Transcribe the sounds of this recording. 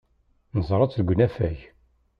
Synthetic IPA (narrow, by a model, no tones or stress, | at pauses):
nəzˤɾˤɑt͡slɡʷnæfæj